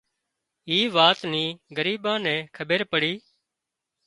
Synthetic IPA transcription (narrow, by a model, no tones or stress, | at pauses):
iːʋaːt̪niːɡəɾiːɓãːnɛ̃ːkʰəbeːɾpəɽiː